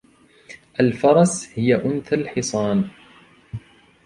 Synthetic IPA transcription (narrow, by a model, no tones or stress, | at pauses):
ʔalfɑɾˤɑshɪjaʔʊnθalħɪsˤɑːn